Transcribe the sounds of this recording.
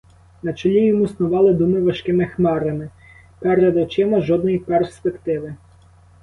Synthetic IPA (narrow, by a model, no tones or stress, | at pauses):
nɐt͡ʃɔlʲijɔmusnʊʋɑlˠɪd̪umɪʋɐʃkɪmɪxmɛɾɐmɪ | pɛɾɛd̪ɔt͡ʃɪmɐʒɔd̪nɔjiperspekt̪ɪʋɪ